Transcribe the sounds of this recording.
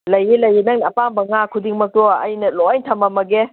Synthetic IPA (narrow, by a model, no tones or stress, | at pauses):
lɐjelɐjenɐŋnɐpambɐŋakʰudiŋmɐk̚tɔɐ̰jnɐlɔajntʰɐmɐmɐɡe